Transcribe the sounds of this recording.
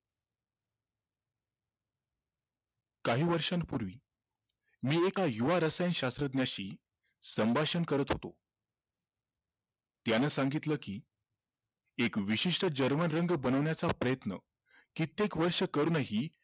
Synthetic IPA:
kaɦiːʋəɾʂãnpuɾʋiː | miːekajuʋaɾəsajənɕast̪ɾəd̪njaɕiː | səmbʱaɕənkəɾət̪ɦo̰t̪o̰ | t̪janəsaŋɡit̪ləːkiː | ekʋiɕiʂʈəd͡ʑəɾmənɾəŋɡbənəʋɳjat͡sapɾəjət̪nə̰ | kit̪ekʋəɾʂəkəɾuːnəɦiː

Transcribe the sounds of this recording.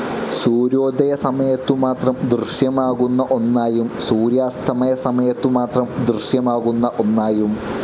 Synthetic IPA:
suːɾo̞ːd̪ɐjɐsɐmɐjɐt̪ːumaːt̪rɐmd̪rɨɕjɐmaːɣunːɐʔo̞nːaːjumsuːɾjaːst̪ʰɐmɐjɐsɐmɐjɐt̪ːumaːt̪rɐmd̪rɨʂjɐmaːɣunːɐʔo̞nːaːjum

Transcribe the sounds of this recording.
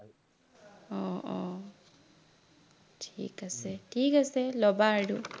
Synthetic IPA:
ɔɔ | tʰḭkasɛʈʰikasɛlɔbaːɽu

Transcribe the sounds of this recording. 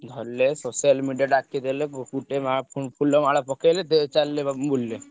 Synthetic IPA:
d̪ʱɔɾlesosjəlmiɖijaɖakːed̪elekkuʈemapupʰuləmaɭapɔkelet̪et͡ʃalːeabulːe

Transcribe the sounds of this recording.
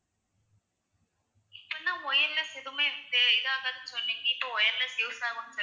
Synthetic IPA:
ɪpːɐnːãːɔjɐɾlɐsɛðɯmeːɾɯnd̪ɯɪðɯaːkaðɯnsɔnːiːŋɡɐɪpːoɔjɐɾlɐsjoːsaːɣɐnːɯsɐ

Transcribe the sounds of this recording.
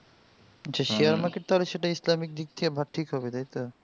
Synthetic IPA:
t͡ɕʰaʃijaɾmaɾkeʈ̚t̪aɦoleʃeʈaislamik̚d̪ik̚t̪ʰiabʱaʈʰikɦɔbet̪ajt̪o

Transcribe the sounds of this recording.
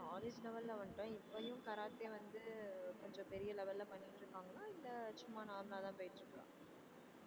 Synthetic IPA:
aːled͡ʒlɛʋɐlːɐʋɐɳʈʊ̃ɪpːɐjʊ̃kɐɾaːt̪ːeːʋɐnd̪ɯkɔɲd͡ʒɔ̃pɛɾɪjɐlɛʋɐlːɐpɐnːɪʈːɾɯkːaːŋɡɐlaːɪlːɐt͡ʃʊmːanaːmlaːt̪ãːpoːjɪʈːɾɯkːɐlã̰ː

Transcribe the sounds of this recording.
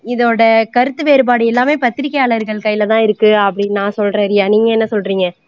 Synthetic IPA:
ɪðoːɽɐkɐɾɯt̪ːɯʋeːɾɯb̬aːɽɯɛlːaːmeːpɐt̪ːɪɾɪkːɐjaːɭɐɾɣɐɭkɐjːɪlɐt̪ãːɪɾɯkːɯɐpːɐɽɪnãːsɔlrɐɾɪjaːniːŋɡɐɛnːɐsɔlriːŋɡɐ

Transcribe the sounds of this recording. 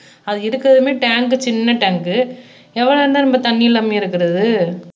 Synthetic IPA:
ɐðɯɪɾɯkːɯɾɐðɯmeːʈaːŋkɯt͡ʃɪnːɐʈɐŋkɯ | ɛʋːɐɭɐɾnd̪aːnɐmbɐt̪ɐnːɪjɪlːɐmeːɪɾɯkːɪɾɐðɯ

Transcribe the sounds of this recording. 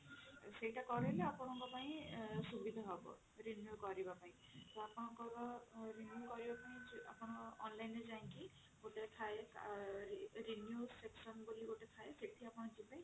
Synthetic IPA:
sejʈakɔɾeleapɔɽɔŋkɔpaĩsubid̪ʱaɦɔbɔ̰ | ɾinjukɔɾibapaĩt̪ɔapnɔ̃ŋkɔɾɔɾinjukɔɾibapaĩa̰pɔnɔ̃ɔɔnlajnezaĩŋki | ɡoʈet̪ʰaeka̰ | ɾinjuseksɔnbuliɡoʈet̪ʰaeseʈʰiapɔ̃nɔ̃d͡ʒipaĩ

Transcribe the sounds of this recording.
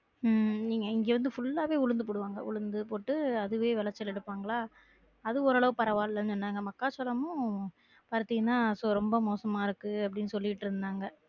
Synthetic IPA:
niːŋɡɐɪŋɡeːʋɐnd̪ɯfʊɭːaːʋeːʊɻɯnd̪ɯpʊɽɯʋaːŋɡɐ̰ʔʊ̰ɻɯnd̪ɯpoːʈːɯɐðɯʋeːʋɛlɐt͡ʃːɛlɛɽɯpːaːŋɡɐɭaː | ɐðɯɔɾɐɭɐʋɯpɐɾɐʋaːllɐnɯsɔnːaːɪŋɡɐmɐkːaːsɐlɐmʊ̃ | pɐɾɯt̪ːɪŋɐnːaːsɔɾɔmbɐmoːsɐmaːɪɾɯkːɯɐpːɐɽɪnːɯsɔlːɪɪʈːɪɾɯnd̪aːŋɡɐ

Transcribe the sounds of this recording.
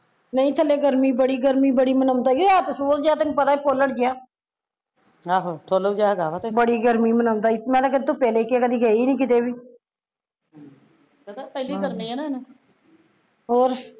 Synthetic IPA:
nəĩːt̪ʰəleːɡəɾmiːbəɽiːɡəɾmiːbəɽiːmənəmt̪aːɡiaːt̪esoːd͡ʒd͡ʒjaːt̪ɪnũpət̪aːiːpoːləʈd͡ʒɪjaː | aːɦoːʈʰoːlod͡ʒaːɡaːʋat̪ebəɽiːɡəɾmiːmənəmt̪aːimɛ̃ːt̪aːkəd̪̚t̪oːpɛːleːkɪaːkəd̪iːɡəiːnĩːk̬ɪt̪eːbiː | t̪apɛːliːɡəɾmiːɛːnana | ɦoːɾ

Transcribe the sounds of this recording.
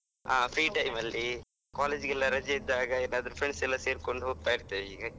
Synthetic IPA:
aːpʰɾiːʈɐjmɐlːi | kaːleːd͡ʒɡɛlːɐɾɐd͡ʒɐid̪ːaːɡɐeːnːaːd̪ɐɾupʰɾeɳsɛlːɐseːɾko̞ɳɖuɦoːɡ̚t̪aːjiɾt̪ːeːʋeiːɡe

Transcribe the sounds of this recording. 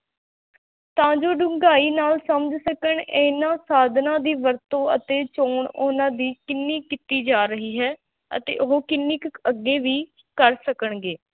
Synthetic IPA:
t̪ãːd͡ʒoːɖʊ̃ŋɡaːiːnaːlsəməd͡ʒsəkəɳeːnãːsaːd̪ʱnãːd̪iːʋəɾt̪õːə̰t̪eːt͡ʃoːɳoːnãːd̪iːkɪnːiːkɪt̪iːd͡ʒaːɾəɦiːɦɛː | ə̰t̪ḛːʔoɦoːkɪnːiːkəɡːeːʋiː | kəɾsəkəɳɡeː

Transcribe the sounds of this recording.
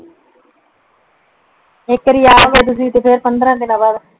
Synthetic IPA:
ɪkːəɾiːaːʋeːt̪̬ʊsĩːt̪epʰeɾpənd̪ɾãːd̪ɪnãːbaːd̪

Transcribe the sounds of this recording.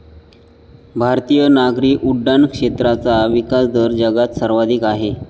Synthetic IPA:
bʱaɾt̪ijənaɡɾiːkuɖːankʂet̪ɾat͡saʋikasd̪əɾd͡ʑəɡat̪səɾʋad̪ʱiːkaɦe

